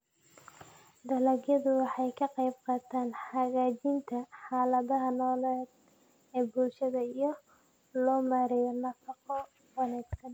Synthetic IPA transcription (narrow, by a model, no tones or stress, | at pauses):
d̪ɐlɐɣjɐðʊwɑħɑjkʰɐqɑjbqɑːt̪ʰaːnħɑɣaːt͡ʃɪnt̪ʰɐħɑːlɐðɐɦɐnɔːlɛd̪̚ | ɛːbulʃɐðɐijɞ | lɔːmaːɾɛjɔnɐfɐqɔ | wɑnɛːɡsɐn